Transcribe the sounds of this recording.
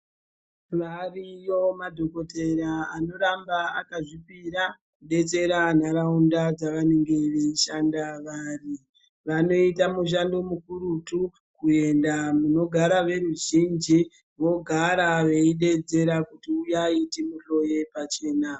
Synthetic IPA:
ʋarijo̞madʱo̞ko̞te̞ɾaano̞ɾambaa̰kaʐipiɾa | kuɗe̞t͡se̞ɾan̤aɾaundad͡zaʋane̞ŋɡe̞ʋe̞iʃandaʋari | ʋano̞itamuʃ̬ando̞mukuɾutu | kue̞ndamuno̞ɡʱaɾaʋe̞ɾuʒind͡ʒi | ʋo̞ɡʱaɾaʋe̞iɗe̞d͡ze̞ɾakutiujaitimuɬo̞je̞pat͡ʃe̞ːna

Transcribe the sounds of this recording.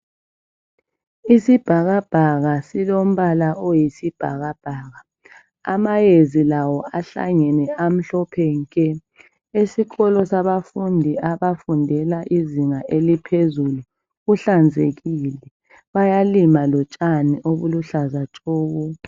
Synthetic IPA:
isib̥ʱaɣab̥ʱaɣasilom̩βalaʔojisib̥ʱa̰ɣab̥ʱaːɣa | a̰majezilawɔaɬa̰ŋɛnɛam̩ɬɔpʰɛŋkʼɛ | esiɣɔlɔsaβafundʱiaβafundʱɛlaʔiziŋaʔelipʰezulu | ɣuɬand͡zʱeɣilɛ | βajalimalɔt͡ʃʼaniʔoβuluɬazat͡ʃʼɔːɣɔ

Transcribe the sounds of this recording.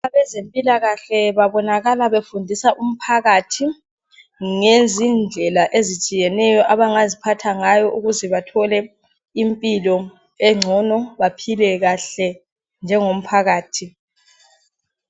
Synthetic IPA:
aβɛzempʼilaɣaɬɛβaβɔnaɣalaβefundʱisaʔum̩pʰaɣatʰi | ŋezind͡ɮʱɛlaʔezit͡ʃʼijɛnɛjɔʔaβaŋazipʰatʰaŋajɔʔuɣuzɛβatʰɔlɛ | impʼilɔ | ɛŋ͡ǀʱɔnɔβapʰilɛɣaɬɛ | nd͡ʒʱɛŋom̩pʰaɣaːtʰi

